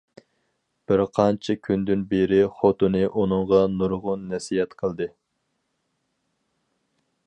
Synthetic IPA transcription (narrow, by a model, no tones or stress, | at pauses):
b̥ɪɾqʰɑnt͡ʃʰikʲʰynd̪ynbeɾɪχot̪ɨnɨʔunɨŋʁɑnuɾʁʊnːɛsiɦɛt̪qʰəlˠd̪ɨ